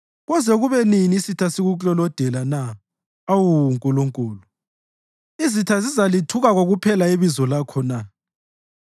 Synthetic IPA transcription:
ɣɔzɛɣuβɛniniːsitʰasiɣut͡ɬɔlɔd̥ʱɛlana | awuŋkʼuluŋkʼuːlu | izitʰazizalitʰuɣaɣoɣupʰɛlaiβizɔlakʰɔna

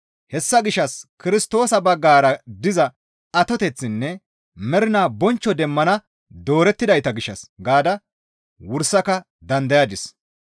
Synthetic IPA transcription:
hɛsːɐɡɪʃɐskɪɾɪst̪o̞ːsɐbɐɡːaːɾɐd̪ɪzɐ | ɐt̪ɔt̪ɛt͡sːɪnːɛ | mɛɾɪnaːbɔnt͡ʃːɔd̪ɛmːɐnɐ | d̪o̞ːɾɛt̪ːɪd̪ɐjt̪ɐɡɪʃːɐsɡaːd̪ɐ | wʊɾsːɐkɐ | d̪ɐnd̪ɐjɐd̪ɪs

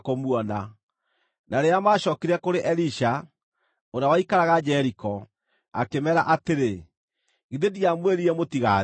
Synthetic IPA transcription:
komwɔna | naɾeamaːɕɔːkiɾɛkoɾeʔɛɾiʃa | oɾeawaikaɾaɣad͡ʒɛɾikɔ | a̰kemɛɾaʔateɾe | ɣeðediamweɾiɾɛmotiɣa

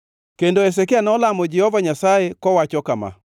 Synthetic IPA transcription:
kendoɛs̬ɛkeanɔlamod͡ʒɛhɔvaɲasaekɔwat͡ʃɔkama̰

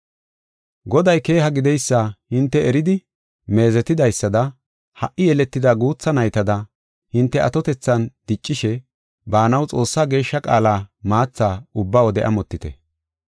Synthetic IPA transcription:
ɡɔd̪ɐjke̞ːɦɐɡɪd̪ɛjsːahɪnt̪ːɛɛɾɪd̪ɪ | me̞ːzɛt̪ːɪd̪ɐjsːɐd̪ɐ | hɐʔːɪjɛlɛt̪ːɪd̪aɡuːt͡sːɐnɐjt̪ɐd̪ɐ | hɪnt̪ːɛʔɐt̪ɔt̪ɛt͡sːɐnd̪̥ɪt͡ʃʼːɪʃɛ | baːnɐwt͡sʼo̞ːsːaːɡe̞ːʃːɐkʼa̰ːlaːmaːt͡sːaːʊbːaːwɔd̪ɛʔɐ̰mɔt̪ːɪt̪ɛ̰

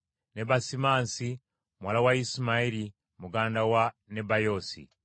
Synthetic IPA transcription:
nebasimansi | mwalawaismaili | muɡaːndawanebajosḭ

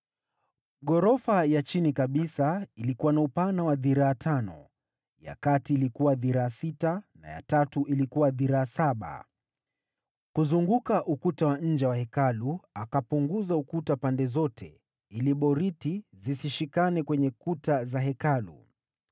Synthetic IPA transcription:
ɠɔɾɔfajat͡ʃinikaɓisailikuwanaupanawaðiɾaːtʰanɔ̰ | ja̰katiːlikuwaðiɾaːsitana̰ja̰tatuʔilikuwaðiɾaːsaɓa̰ | kuzuŋɡukaʔukutawaɲ̩d͡ʒɛwahɛkaluakapuŋɡuzaukutapandɛzɔtʰɛ | iliɓɔɾitizisiʃikanɛkwɛɲɛkutazaɦɛkalṵ

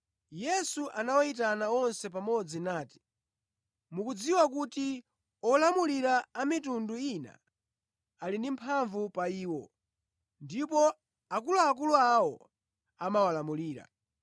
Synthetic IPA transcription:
jɛsuʔanawait̬anaɔnsɛpamɔd͡zinaːti̥ | mukud͡ziwakuti | ɔlamuliɾaːmitunduina̰ | alindimpʰaɱvupaiːwɔ | ndipɔ | akuluak̬uluawɔ | amawalamuliːɾa̰

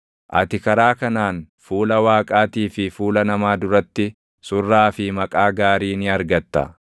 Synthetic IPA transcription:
ʔɐ̰t̪ɪkɐɾaːkɐnaːn | fuːlɐwaːkʼaːt̪iːfɪfuːlɐnɐmaːd̪ʊɾɐt̪ːɪ | sʊrːaːfɪmɐkʼaːɡaːɾiːnɪɐɾɡɐt̪ːɐ̰

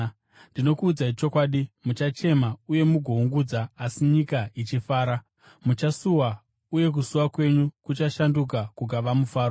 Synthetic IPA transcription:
ndino̞kuːd͡zait͡ʃo̞kwaːɗimut͡ʃat͡ʃe̞mauje̞muɡʱo̞uŋɡud͡zaːsiɲikait͡ʃifaːɾa | mut͡ʃasuwa | uje̞k̬usuwakwe̞ɲukut͡ʃaʃanduk̬akuɡʱaʋamufaːɾo

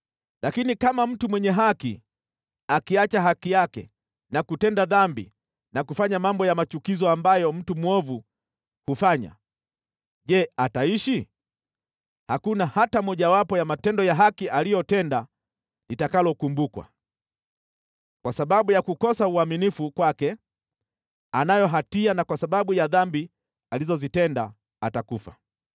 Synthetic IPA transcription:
lakinikamam̩tumwɛɲɛɦakḭ | akiat͡ʃaɦakijakɛ̰ | nakutɛndaðambḭ | nakufaɲamambɔjamat͡ʃukizɔambajɔm̩tumwɔvu | hufaɲa̰ | ʄɛataiʃi | hakunahatamɔʄawapɔjamatɛndɔjaɦakiʔalijɔtɛnda | litakalɔkumbukwa̰ | kwasaɓaɓujakukɔsauaminifukwakɛ | anajɔɦatianakwasaɓaɓujaðambi | alizɔzitɛnda | atakufa̰

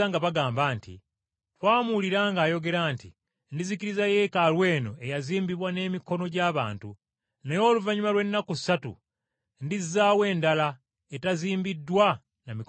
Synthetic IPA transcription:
aŋɡaβaɡaːmbaːntḭ | twaːmuliɾaːŋɡaːjo̞ɡe̞ɾaːntḭ | ndiziciɾizaje̞kalwe̞ːno̞e̞jaziːmbiβwane̞miko̞no̞ɟaːβa̰ːntu | najoːluvaɲumalwe̞nːakui̥satṵ | ndizːaːwe̞ːndala | etaziːmbidːwa | namik

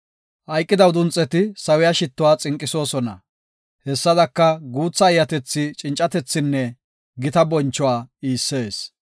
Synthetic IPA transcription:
ʔɐjkʼːɪd̪ɐwd̪ʊnt͡sʼːɛt̪ɪsɐwɪjɐʃɪt̪ːʊwaːt͡sʼɪŋkʼːɪso̞ːsɔnɐ̰ | hɛsːɐd̪ɐkːɐɡuːt͡sːɐːjːɐt̪ɛt͡sːɪt͡ʃʼɪnt͡ʃʼːɐt̪ɛt͡sːɪnːɛ | ɡɪt̪ɐbɔnt͡ʃːɔwaːiːsːe̞ːs

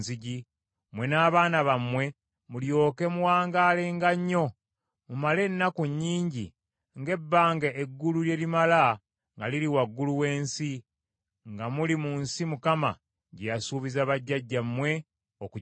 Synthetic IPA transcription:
ziɟi | mwe̞naːβaːnaβamwe̞ | muljo̞ːke̞muwaːŋɡaːleŋɡaɲːo̞ | mumale̞nːakuɲːiːɲɟi | ŋɡe̞bːaːŋɡeeɡːululje̞limala | ŋɡaliɾiwaɡːuluwe̞ːnsi | ŋɡamulimunsimukama̰ | ɟejasuːβizaβaɟːaɟːamwe̞ | oku

